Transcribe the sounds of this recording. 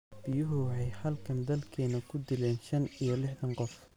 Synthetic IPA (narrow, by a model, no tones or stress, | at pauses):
b̥ɪjʊɦʊwħɑjhɐlkʰɐnd̪ɐlkʰɛːnɐkʰʊd̪ɪlɛːnʃɐnijɐlɪħðɐɴqɔf